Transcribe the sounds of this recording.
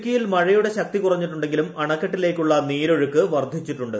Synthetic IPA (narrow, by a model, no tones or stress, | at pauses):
kʲːijilmɐɻɐjuɽe̞ɕɐk̚t̪ikurɐɲːiʈːuɳɖe̞ŋɡilumɐɳɐkːɐʈːile̞ːkːuɭːɐniːɾo̞ɻukːɨʋɐrd̪ʱit͡ɕːiʈːuɳɖɨ